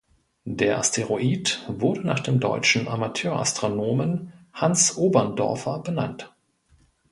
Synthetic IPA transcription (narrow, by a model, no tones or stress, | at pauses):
d̥eːɐʔa̰stʰeʁoʔiːtvʊɐdənaːχd̥eːmdɔ̰ʏt͡ʃn̩ʔa̰matʰøːɐʔa̰stʁ̥onoːmənhansʔoːbɐndɔ̰ɐfɐbəna̰nt